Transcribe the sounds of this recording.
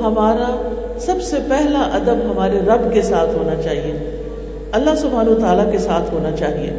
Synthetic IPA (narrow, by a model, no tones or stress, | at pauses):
ɦɐmaːɾa | sɐbsepɛɦlaʔɐd̪əbɦɐmaːɾeɾɐbkesaːt̪ʰɦoːnat͡ʃaːɦie | ɐlːaɦsʊbʱaːnɐʋət̪aːlakesaːt̪ʰɦoːnat͡ʃaːɦiḛː